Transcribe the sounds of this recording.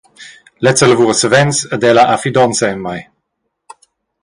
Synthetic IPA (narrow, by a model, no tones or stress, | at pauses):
lɛt͡sələvuʁəsəvɛnsəd̪ɛlaʔafid̪ɔnsɛənmaj